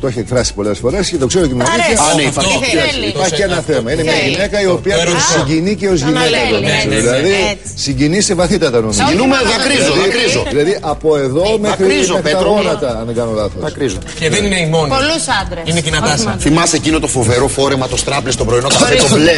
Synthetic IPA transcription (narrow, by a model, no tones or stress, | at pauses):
t̪oeçiekfɾɐsi̥po̞le̞sfo̞ɾe̞scet̪o̞kse̞ɾocemoniineipɐiiɐsipɐɾçienɐθe̞mɐinemɲɐʝine̞kɐio̞piɐsiɲɟiniceo̞zʝinekɐloneseðilɐði | siɲɟinise̞vɐθit̪ɐt̪ɐnosminumeðɐkɾizoðikɾizoðilɐðiʔɐpo̞e̞ðo̞mexɾizɐkt̪ɐɾɣonɐt̪ɐɐneɡɐnolɐθoɐkɾizo | eðenineimonolusɐnd̪ɾeineʝinɐt̪ɐsθimɐsecinot̪o̞fo̞veɾo̞fo̞ɾemɐt̪o̞st̪ɾɐplest̪obɾoinoɐet̪ole